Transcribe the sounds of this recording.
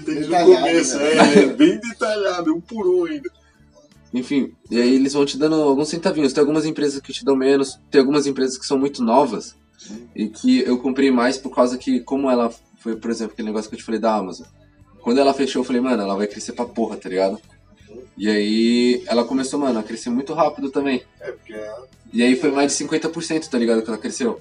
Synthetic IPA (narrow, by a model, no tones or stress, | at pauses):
t̪eiakomesʊɛbẽj̃d̪et̪aʎad̪ʊũpuɾoaĩnd̪ɐ | ẽfĩ | iaielɪzvɐ̃w̃t͡ʃɪd̪ɐ̃nd̪ʊawɡũsẽt̪avĩɲʊst̪ẽjawɡũmɐzẽpɾezɐskɪt͡ʃɪd̪ɐ̃w̃mẽnʊst̪ẽj̃awɡumɐzẽpɾezɐskɪ̥sɐ̃w̃mũj̃t̪ʊnɔvɐs | ɪkʰɪewkõpɾejmajspoɾkawzɐkʰɪkõmʊɛlɐ | fojpoɾezẽmplʊɐkelɪneɡɔsjʊkewt͡ʃɪ̥falejd̪ɐamazõw̃ | kwɐ̃nd̪ʊɛlɐfleʃoewfalejmɐ̃nʊɛlɐvajkɾeseɾpɾɐpoɦɐt̪aliɡad̪ʊ | ɪaiɛlɐkõmesomɐ̃nɐkɾesemũj̃t̪ʊɦapid̪ʊt̪ɐ̃mbẽj̃ɛpʊɾke | ɪaifojmajzd͡ʒɪ̥sĩŋkwẽnt̪ɐpoɾsẽnt̪ʊt̪aliɡad̪ʊkɪɛlɐkɾesew